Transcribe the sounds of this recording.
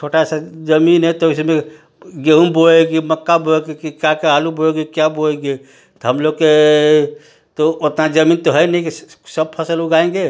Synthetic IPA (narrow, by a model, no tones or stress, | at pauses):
t͡ʃʰoʈasad͡ʒəminɦɛt̪ɔɪsmẽ | ɡeɦunboleɡeməkːaboeɡekikakealuboeɡekjaboleɡe | t̪ɔɦəmloɡ̚ke | t̪oot̪nad͡ʒəmiːnt̪ɔɦəjnɛikisəb̚pʰəsəluɡaẽŋɡe